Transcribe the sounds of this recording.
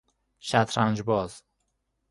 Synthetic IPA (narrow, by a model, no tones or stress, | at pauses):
ʃæt̪ʰɾænd͡ʒbɒːz̥